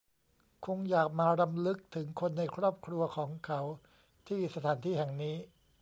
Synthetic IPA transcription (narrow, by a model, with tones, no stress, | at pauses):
kʰo˧ŋjaː˨˩k̚maː˧ɾa˧mlɯ˦˥k̚t̪ʰɯ˩˦ŋkʰo˧nːa˧jkʰɾɔː˥˩p̚kʰɾu˧ɐkʰɔː˩˦ŋkʰa˦˥w | t̪ʰiː˥˩sa˧t̪ʰaː˩˦nt̪ʰiː˥˩hɛ˨˩ŋniː˦˥